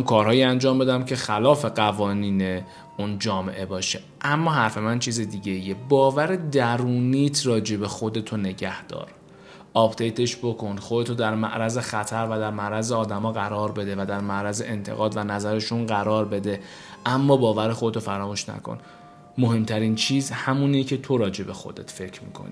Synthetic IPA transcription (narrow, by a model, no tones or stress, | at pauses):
kʰɒːɾhɒːjiænd͡ʒɒːmbe̞d̪æmcʰexælɒːfe̞ɢævɒːniːne | und͡ʒɒːmḛʔe̞bɒːʃe | ʔæmːɒːɦæɾfe̞mænt͡ʃʰiːzed̪iːɟe̞ijebɒːvæɾed̪æɾuːniːt̪ʰrɒːd͡ʒe̞be̞xod̪e̞t̪ʰone̞ɟæhd̪̥ɒ̰ːɾ | ʔɒpd̪̥ejt̪ʰe̞ʃbo̞kʰo̞nxod̪e̞t̪ʰod̪æɾmæ̰ʔɾæze̞xæt̪ʰæɾvæd̪æɾmæʔɾæzeɒːd̪æmɒːɣæɾɒːɾbe̞d̪e̞væd̪æɾmæʔɾæzeʔent̪ʰe̞̰ɣɒːd̪vænæzæɾe̞ʃunɢæɾɒːɾbe̞d̪e̞ | ʔæmːɒːbɒːvæɾexo̞d̪et̪ʰofæɾɒːmuːʃnæ̰kʰo̰n | mo̞he̞mt̪ʰæɾiːnt͡ʃʰiːzhæmunicʰe̞t̪ʰo̞ɾɒːd͡ʒe̞be̞xo̞̰d̪e̞̰t̪fe̞cʰɾmḭːkʰo̰nḭ